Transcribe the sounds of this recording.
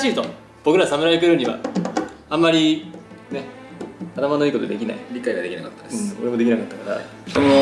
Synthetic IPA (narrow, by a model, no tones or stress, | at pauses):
ɕiːt̪o̞ | b̥o̞kɯɾasamɯɾaekɯɾɯ̟ɲ̟iβa̰ | ãmːaɾʲine̞ | at̪amano̞iːkot̪od̪e̞kʲina̰ḭɾʲikaiɡad̪e̞kʲinakat̪ːad̪ẽo̞ɾe̞mo̞d̪einakat̪ːakaɾa̰